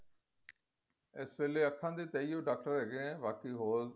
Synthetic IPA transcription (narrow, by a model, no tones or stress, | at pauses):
esʋeːleːəkʰːãːd̪eːt̪eiːoːɖaːk̚ʈəɾeːɡẽːʋaːkiːɦoːl